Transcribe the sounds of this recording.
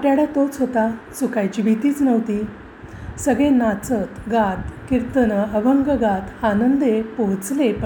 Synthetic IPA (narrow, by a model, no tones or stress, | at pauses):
apjaɽat̪ot͡sɦot̪asukajd͡ʑibit̪iːt͡snəʋt̪iː | səɡɭẽnat͡sət̪ɡad̪kiɾt̪ənəəʋəŋɡəɡat̪anənd̪epoɦt͡slepə